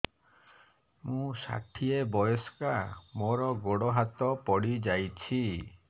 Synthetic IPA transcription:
mũsa̰ʈʰiebɔjɔskamoɾɔɡoɽɔɦat̪ɔpɔɽid͡ʒajt͡ʃʰi

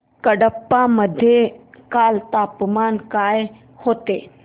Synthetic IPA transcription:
kəɽəpːaməd̪ʱjekaːlt̪aːpmaːnkaːj | hoːt̪eː

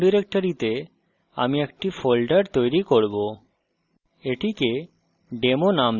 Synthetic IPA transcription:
ɖiɾek̚ʈoɾit̪e | a̰miek̚ʈifʰolɖəɾt̪ojɾikoɾbo | eʈike | ɖemonam

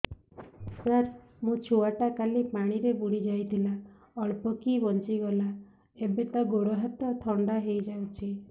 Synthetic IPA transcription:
saɾ | mũt͡ʃʰuaʈakalipaɽ̃iɾebuɽ̃id͡ʒajt̪ʰila | ɔɭpɔkibɔnt͡ʃiɡɔla | ebet̪ɔɡoɾɔɦat̪ɔt̪ʰɔɳɖaɦejd͡ʒawt͡ʃʰi

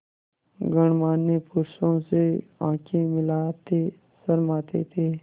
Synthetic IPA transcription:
ɡəɳ̃maːnːepʊɾsõseãːkʰẽmɪlaːt̪eː | səɾmaːt̪et̪ʰeː

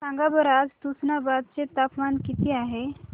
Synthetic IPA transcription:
sãŋɡabəɾad͡zt̪usnabad̪̚t͡set̪apmankit̪iaɦe

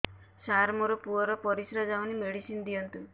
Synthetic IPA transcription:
saɾmɔɾɔpuɔɾɔpɔɾisɾad͡ʒawnimeɽisind̪ijɔnt̪u

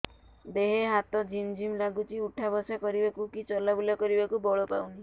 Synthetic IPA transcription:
d̪eɦeɦat̪ɔd͡ʒimd͡ʒimlaɡut͡ʃʰiuʈʰabɔsakɔɾibakukit͡ʃɔlabulakɔɾibakubɔɭopawni

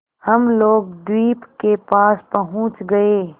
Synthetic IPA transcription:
həmloːɡ̚d̪wiːpkepaːspəɦʊ̃t͡ʃɡəeː

